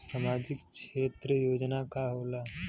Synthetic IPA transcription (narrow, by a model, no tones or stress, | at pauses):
samad͡ʑikkʃet̪ɾəjod͡ʑnakaɦola